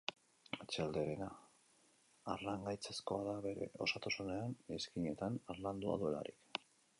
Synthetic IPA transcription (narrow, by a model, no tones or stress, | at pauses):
et͡ʃeald̪e̞ɾe̞na | aɾlaŋɡajt͡sesko̞aðaβe̞ɾe̞̰o̞sat̪osune̞ane̞skiɲe̞t̪anaɾland̪ua̰ðue̞la̰ɾḭk